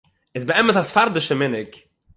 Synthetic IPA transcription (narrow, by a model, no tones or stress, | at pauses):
ɪsbəɛməsasfaɾdɪʃəmɪnɪk